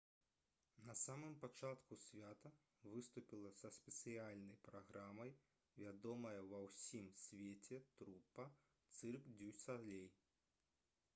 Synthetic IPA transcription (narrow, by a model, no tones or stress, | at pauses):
nɐsamɨmpat͡ʂat̪kusʲvʲat̪ɐ | vɨst̪upʲilˠɐsɐsʲpʲɛt̪sɨjalʲnɐjpɾaɣɾamɐj | vʲad̪ɔmɐjɐvɐwsʲimsʲvʲet͡sʲɛt̪ɾupːɐ | t̪sɨrkd͡zʲusalʲej